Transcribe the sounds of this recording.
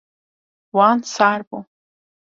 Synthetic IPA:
waːnsarbʼo

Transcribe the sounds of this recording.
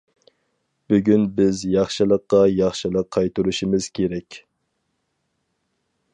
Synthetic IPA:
b̥yɡʲynbɪzjɑχʃɨlˠəqːɑjɑχʃɨlˠəqʰːɑjt̪uɾuʃimɪz̥kʲʰeɾɛkʲ

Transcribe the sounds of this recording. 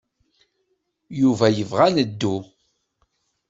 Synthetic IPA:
juvæjəvʁænəd̪ːu

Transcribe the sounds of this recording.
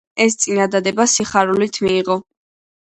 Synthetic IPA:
ɛst̪sʼinad̪ad̪ɛbasiχaɾulit̪ʰmiːʁɔ

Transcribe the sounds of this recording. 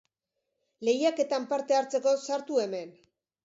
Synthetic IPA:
le̞jake̞t̪ampaɾt̪e̞aɾt͡se̞ko̞saɾt̪ue̞me̞n

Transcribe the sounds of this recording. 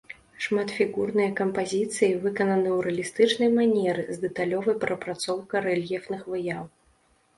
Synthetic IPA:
ʂmat̪fʲiɣurnɨjɐkɐmpazʲit̪sɨjivɨkɐnɐnɨwɾɐlʲist̪ɨt͡ʂnɐjmanʲɛɾɨzd̪ɛt̪alʲɔvɐjpɾɐpɾat̪sɔwkɐɾɛlʲjɛfnɨxvɨjaw

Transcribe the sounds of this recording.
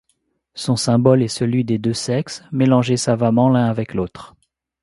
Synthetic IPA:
sɔ̃sɛ̃bɔlɛsəlɥid̪ed̪øsɛksmelɑ̃ʒesavamɑ̃lɛ̃avɛkloːt̪χ

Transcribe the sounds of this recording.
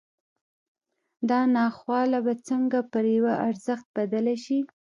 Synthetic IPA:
d̪ɑnɑxwɑlabat͡səŋɡapəɾjawaʔaɾzəxt̪̚bad̪əlaʃi

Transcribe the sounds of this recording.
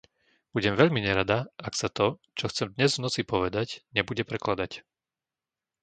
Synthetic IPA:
b̥uɟɛmʋɛʎmiɲɛɾad̪aaksat̪ɔ | t͡ʃɔxt͡sɛmd̪ɲɛzvnɔt͡sipɔʋɛd̪acɲɛbuɟɛpɾɛklad̪ac

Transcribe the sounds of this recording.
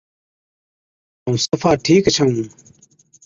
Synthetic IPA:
ũːsəfʰaːʈʰiːkt͡ʃʰaːũː

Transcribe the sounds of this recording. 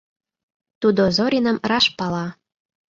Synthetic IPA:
t̪ud̪ozoɾʲinəmrɑʃpɑlɑ

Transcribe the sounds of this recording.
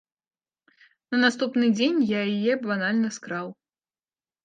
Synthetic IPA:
nɐnast̪upnɨd͡zʲenʲjajijɛbanalʲnɐskɾaw

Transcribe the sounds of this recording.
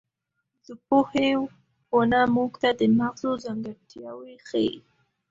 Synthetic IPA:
zəpohew | xonamuɡt̪ad̪əmaɣzozaŋɡaɾt̪jawexəi

